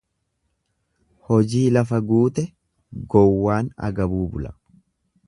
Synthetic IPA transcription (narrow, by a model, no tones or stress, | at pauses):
hɔd͡ʒiːlɐfɐɡuːt̪ɛ | ɡɔwːaːnɐ̰ɡɐbuːbʊlɐ̥